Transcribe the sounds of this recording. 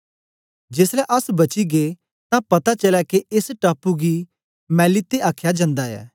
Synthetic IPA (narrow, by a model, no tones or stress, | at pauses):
d͡ʒeslɛʔɐsbɐt͡ʃiɡe | t̪ãpɐt̪at͡ʃəlɛkeɪsʈaːpuɡi | mɛ̃ːlit̪ːeʔaːkʰjad͡ʒãːnd̪aɛ̰ː